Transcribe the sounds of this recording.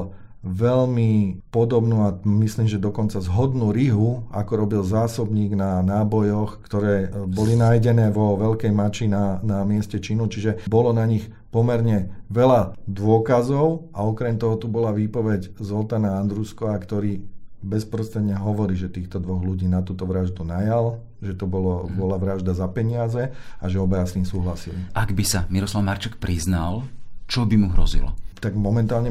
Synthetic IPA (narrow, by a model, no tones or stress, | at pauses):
ʋɛʎmipɔd̪ɔbnuːamisliːmʒɛd̪ɔkɔnt͡sazɦɔd̪nuːɾiɦua̰kɔɾɔbilzaːsɔbɲiːɡnanaːbɔjɔxkt̪ɔɾɛːbɔlinajɟɛnɛːʋɔʋɛʎkɛjmat͡ʃinanamɪɛscɛt͡ʃinut͡ʃiʒɛbɔlɔnaɲix | pɔmɛɾɲɛʋɛlad̪ʋʊɔkazɔʊʔaɔkɾɛmt̪ɔɦɔt̪ubɔlaʋiːpɔʋɛɟzɔlt̪anaand̪ɾuskɔakt̪ɔɾiːbɛspɾɔst̪ɾɛd̪ɲɛɦɔʋɔɾiːʒɛt̪iːxt̪ɔd̪ʋɔɣluɟiːnat̪uːt̪ɔʋɾaʒd̪unajal | ʒɛt̪ɔbɔlɔbɔlaʋɾaʒd̪azapɛɲɪazɛaʒɛɔbajasiːmsuːɦlasiliʔaɡbisamiɾɔslaʊmaɾt͡ʃɛk̚pɾiznalt͡ʃɔbimuɦɾɔ̰zḭlɔ̰t̪aɡmɔmɛnt̪aːlɲɛ